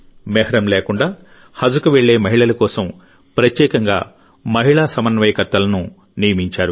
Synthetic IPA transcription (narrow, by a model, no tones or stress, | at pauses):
mɛːhɐɾɐmleːkuɳɖaː | hɐd͡ʒukuʋeɭːe̞ːmɐɦiɭɐlɐkɔːsɐm | pɾɐt̪jɛːkɐŋɡa̰ː | mɐɦiɭaːsɐmɐnʋɐjkɐɾt̪ːɐlɐnu | nijɐmiɲt͡ʃaːɾu